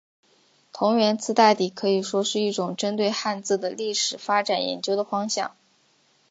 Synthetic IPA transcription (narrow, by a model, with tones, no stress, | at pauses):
t̪ʰʊ˧˥ŋɥɛ˧˥nt͡sʰɹ̩˥˧t̪a˥˧t̪i˨˩kʰɤ˧˥i˨˩ʂwɔ˥ʂɻ̩˥˧i˥˩ʈ͡ʂʊ˨˩ŋʈ͡ʂə˥nt̪we˥˧ɪxa˥˧nt͡sɹ̩˥˩d̪ə˩li˥˩ʂɻ̩˨˩fa˥ʈ͡ʂa˨˩njɛ̰˧˥nt͡ɕjo˥ʊd̪ə˨fɑ˥ŋɕjɑ̰˥˩ŋ